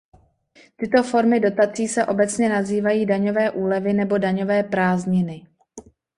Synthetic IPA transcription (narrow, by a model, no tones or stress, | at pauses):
t̪ɪt̪o̞fo̞ɾmɪdo̞t̪at͡siːsɛʔo̞bɛt͡sɲɛnaziːvajiːdaɲo̞vɛːʔuːlɛvɪnɛbo̞daɲo̞vɛːpɾaːzɲɪnɪ